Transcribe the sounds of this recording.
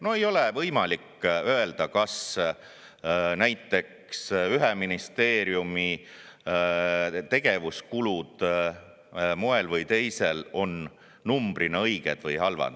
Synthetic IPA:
no̞e̞jo̞levɤjmɑlikːø̞e̞ld̪̥ɑkɑs | næjt̪ːˑe̞k | syɦeminist̪e̞ːɾjumi | t̪e̞ɡ̥e̞vuskulud̪̥ | moelvɤjt̪e̞jse̞lo̞nː | umb̥rinɑɤjɡ̥e̞̰d̪̥vɤjhɑlvɑ̰nd̪

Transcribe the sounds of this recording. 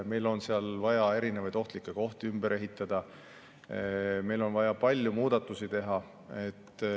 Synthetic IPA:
me̞jlo̞nseɑlvɑjɑe̞ɾinevɑjd̪o̞ht̪likːˑe̞ko̞ht̪iymbe̞ɾe̞ɦit̪ːˑɑd̪̥ɑ | me̞jlo̞nvɑjɑpɑlʲjumuːd̪̥ɑt̪ːˑusit̪e̞ɦɑ | e̞t̪ːˑ

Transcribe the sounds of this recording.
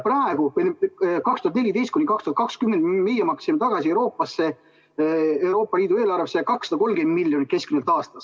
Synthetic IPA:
prɑeɡ̥upenkɑkst̪uhɑt̪nelʲit̪e̞jst̪kunʲikɑkst̪uhɑt̪kɑkskymːend̪me̞jemɑksimːet̪ɑɡ̥ɑsie̞wɾo̞ːpːˑɑsːe̞ | ewɾo̞ːpːˑɑliːd̪ue̞ːlɑrvesejɑkɑksːɑd̪̥ɑko̞lːmɡ̥e̞nd̪milːjo̞nit̪̚ke̞skmynelt̪ːɑːst̪ɑs

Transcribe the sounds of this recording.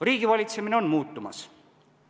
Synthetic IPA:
riːɡ̥ivɑlʲit̪se̞mine̞o̞nmuːt̪ːˑumɑ̰s

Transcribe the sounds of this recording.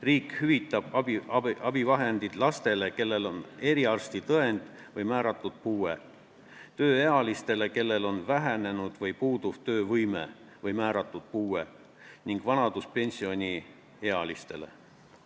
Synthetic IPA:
riːkhyvit̪ːˑɑb̥ɑbiɑɑb̥ivɑɦe̞nd̪̥id̪̥lɑst̪e̞le̞ke̞lːe̞lo̞ne̞ɾiɑrst̪it̪ɤe̞nd̪̥ | vɤjmæːɾɑt̪ːˑud̪̥̚puːe | t̪ø̞ːeɑlist̪e̞le̞ke̞lːe̞lo̞nvæɦæne̞nud̪̥vɤjpuːd̪̥uv̥t̪ø̞ːvɯjme̞̰ | vɤjmæːɾɑt̪ːˑud̪̥̚puːe̞ | niŋɡ̥vɑnɑd̪̥uspe̞nʲsio̞nʲi | e̞ɑlist̪e̞̰le̞̰

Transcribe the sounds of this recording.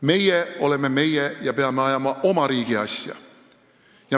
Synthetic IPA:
me̞jɛo̞lemːeme̞jɛjɑpeɑmːeɑjɑmɑʔo̞mɑɾiːɡ̥iɑ̰sʲjɑ̰ | jɑ

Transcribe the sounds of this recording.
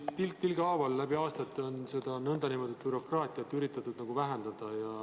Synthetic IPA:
t̪ilt̪ilɡ̥ɑːvɑlːæbiɑːst̪ɑt̪ːˑo̞nse̞d̪̥ɑnɤnd̪̥ɑnimo̞d̪̥et̪̚b̥yɾo̞krɑːt̪ˑiɑt̪ːyɾit̪ːˑɑt̪ːˑud̪nɑɡ̥uvæɦend̪̥ɑd̪̥ɑjɑ

